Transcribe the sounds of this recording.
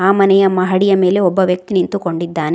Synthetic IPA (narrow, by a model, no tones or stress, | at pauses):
aːmɐnɛjɐmːɐɦɐɽijɐme̞ːle̞ɔbːɐʋjɐk̚t̪inint̪uko̞ɳɖid̪ːaːne